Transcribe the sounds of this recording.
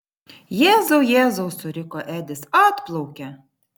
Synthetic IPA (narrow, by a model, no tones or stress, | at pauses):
jɛːzoʊjæːzoʊsʊɾʲɪkɔːʔæːd̪ʲɪsɑːt̪plˠɔʊkʲɛ